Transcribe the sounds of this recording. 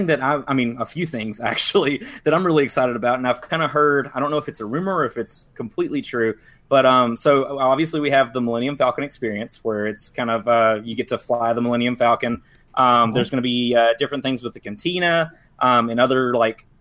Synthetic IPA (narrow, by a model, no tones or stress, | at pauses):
ɪ̃ŋðɨɾaɪa̰ɪmĩnəfjʉθɪ̃ŋzæ̰k̚t͡ʃul̩ˠiðɨɾãɪ̃mɹɪlˠiɨksaɪɾɨɾəbaʊɾɨ̃naɪv̥kʰãɪ̃ndəɦɜ˞daɪdɾõʊ̃nːoʊfɨtsəɹʉ̃mə˞ɨfɨtskʰm̩pʰl̥iʔˡlitʰɹ̥ʉ | b̥ʌɾʌ̃msoʊɑbviɨsliwiɨvðəməlɛ̃ɾ̃iɨ̃ɱfælˠkɨ̃nɨkspɪɹiɨ̃nswə˞ɪtskʰãɪ̃ndʌvʌjɨɡɛtʰɨflaɪðəməlɛ̃ñiɨ̃ɱfælˠkɨ̃n | ʔʌ̃mðə˞zɡʌnɨbiʌdɪfɹɨ̃nθɪ̃ŋzwəðɨkɨ̃ntʰĩñɨ | ʔʌ̃mɨ̃nʌðə˞laɪk